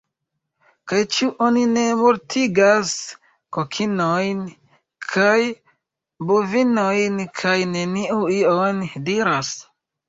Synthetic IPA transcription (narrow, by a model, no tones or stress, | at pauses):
kajt͡ʃuʔonine̞moɾtʰiɡas | kokʰinojn | kʰaj | bovinojnkʰajne̞niʔuiondiɾas